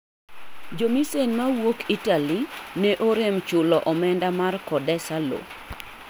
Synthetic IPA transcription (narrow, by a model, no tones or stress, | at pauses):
d͡ʒomisenmawokitalinɛʔoɾemt͡ʃʊlɔʔɔmɛndamarkɔdɛsalo̰